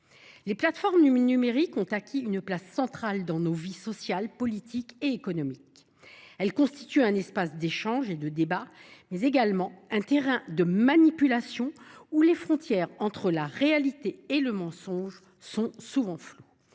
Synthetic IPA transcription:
leplat̪fɔʁmnynymeʁikɔ̃t̪akʲiynplasːɑ̃t̪χald̪ɑ̃novisɔsjalpɔlit̪ʰikeekɔnɔmik | ɛlkɔ̃st̪i̥t̪yɛ̃nɛspasd̪eʃɑ̃ʒed̪əd̪ebamɛzeɡalmɑ̃ɛ̃t̪eʁɛ̃d̪əmanipylasjɔ̃ulefχɔ̃t̪jɛʁɑ̃t̪χəlaʁealit̪eeləmɑ̃sɔ̃ʒ | sɔ̃suvɑ̃flo

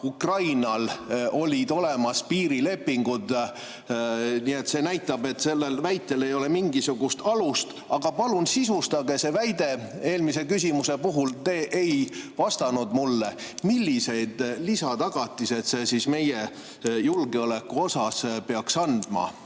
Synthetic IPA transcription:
ukrɑjnɑlo̞lʲid̪̥o̞le̞mɑspiːɾile̞pːiŋɡ̥ud̪ | niːe̞t̪se̞næjt̪ːˑɑbe̞t̪se̞lːelvæjt̪ːˑe̞le̞jo̞le̞miŋɡisuɡ̥ust̪ɑlust̪ | ɑɡ̥ɑpɑlunsisust̪ɑɡ̥e̞se̞væjd̪̥e̞e̞ːlmise̞kys̬ʲimuse̞puɦult̪e̞ːʔejvɑst̪ɑnud̪mulːe̞milʲːise̞jd̪̥lisɑt̪ɑɡ̥ɑt̪ːˑise̞t̪se̞sisme̞je | julɡeole̞kːuo̞sɑspe̞ɑksɑnd̪̥mɑ̰

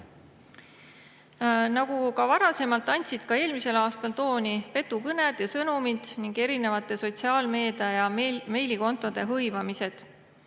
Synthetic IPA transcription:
nɑɡ̥ukɑvɑɾɑse̞mɑlt̪ːˑɑnʲt̪ʲsid̪̥kɑe̞ːlmise̞lɑːst̪ɑlt̪o̞ːnʲipe̞t̪ːˑukɤned̪̥jɑsɤnumid̪̥niŋɡe̞ɾine̞vɑt̪ːˑe̞so̞t̪ʲsiɑːlme̞ːd̪̥ɑjɑme̞jliko̞nt̪ːˑo̞d̪̥e̞ɦɤjvɑmise̞d̪̥

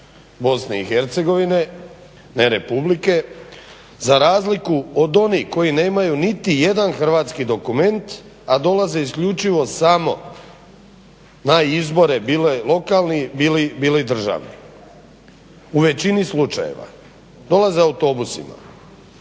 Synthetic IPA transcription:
bo̞sne̞ixeɾt̪se̞ɡo̞ʋine̞ | neɾe̞publike̞ | zaɾaːzlikuod̪o̞niko̞jine̞ːmajunit̪ije̞d̪anxr̩ʋaːt̪skid̪o̞kume̞nt̪ | ad̪o̞laze̞iskʎut͡ʃiʋo̞samo̞ | naizbo̞ɾebiːlelˠo̞kalˠnibilibiːlid̪r̩ʒa̰ːʋnḭ | uʋe̞t͡ɕinislut͡ʃa̰je̞̰ʋa̰ | d̪o̞laze̞aut̪o̞busḭma̰

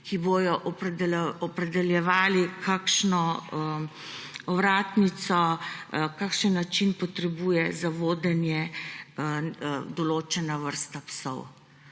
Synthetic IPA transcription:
kiboːjɔʔ̪ | ɔpɾɛd̪ɛljɛʋaːlikʰakʃnɔ | ɔʋɾaːt̪nit̪sɔ | kaːkʃənːat͡ʃinpɔt̪ɾɛbuːjɛzaʋoːd̪ɛnjɛ | d̪ɔloːt͡ʃɛnaʋəɾst̪apsɔ̰w

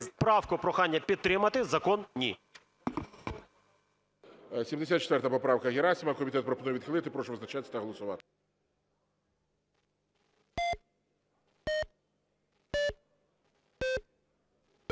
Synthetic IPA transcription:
spɾɑwkʊpɾɔxɑnʲːɐpʲid̪̚t̪ːɾɪmɐt̪ɪzɐkɔnnʲḭ | sʲimd̪esʲat̪̚t͡ʃe̥t̪ʋɛɾt̪ɐpɔpɾɑwkɐɣʲeɾɑsʲimɐkɔmʲit̪ɛt̪̚pɾɔpɔnujʋʲd̪xɪlˠɪt̪ɪpɾɔʃɛʋznɐt͡ʃat̪ʲːɐ̥t̪ɐɦɔlˠɔsʊʋɑt̪ɪ̥

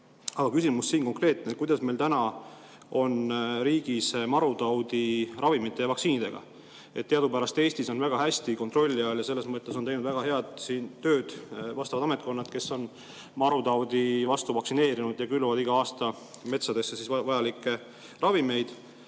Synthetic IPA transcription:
ɑɡ̥ɑkysimusːiːnko̞ŋkre̞ːt̪net̪̚kujd̪ɑsmejlt̪ænɑ | o̞nɾiːɡ̥ismɑɾut̪ɑwd̪irɑvimit̪ːˑe̞jɑvɑksiːnid̪e̞ɡ̥ɑ̰ | e̞t̪ːeɑd̪upæɾɑst̪e̞ːsʲt̪iso̞nvæɡ̥ɑɦæsʲt̪ikont̪ˑro̞lʲːiɑljɑse̞lːesmɤt̪ːˑe̞so̞nejnud̪̥væɡ̥ɑɦe̞ɑd̪̥siːnt̪ːø̞ːd̪̥vɑst̪ɑvɑd̪ɑme̞t̪ko̞nːɑt̪ke̞sːo̞n | mɑɾut̪ɑwd̪̥ivɑst̪uvɑksine̞ːɾinud̪̥jɑkylːuvɑd̪iɡ̥ɑɑːst̪ɑ | me̞t̪sɑd̪̥e̞sːesisvvɑjɑlikːˑe̞ | rɑvime̞jd̪̥

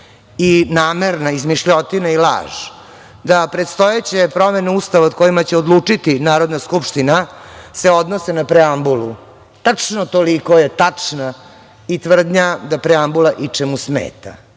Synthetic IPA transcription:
inaːmeɾnaizmiʃʎot̪inaila̰ːʒ | d̪apɾe̞t̪st̪ojet͡ɕe̞pɾo̞meneuːst̪aʋaot̪̚ko̞jimat͡ɕeod̪lˠuːt͡ʂit̪inaːɾo̞d̪naskupʂt̪inase̞o̞d̪nosenapɾeambulu | t̪at͡ʂnot̪olikojet̪at͡ʂna | it̪ʋr̩d̪ɲad̪apɾeambulˠaʔit͡ʂemusmḛːt̪a̰

